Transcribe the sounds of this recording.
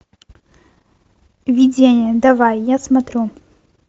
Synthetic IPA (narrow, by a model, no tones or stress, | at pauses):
vʲidʲenʲɪjəd̪ɐvajjasmɐt̪ɾʲu